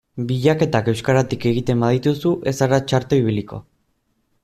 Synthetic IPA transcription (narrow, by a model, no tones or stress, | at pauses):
biʎake̞t̪ake̞wskaɾat̪ike̞ɣ̞it̪e̞mbaðit̪usuʔe̞saɾat͡ʃaɾt̪oiβ̞iliko̞̰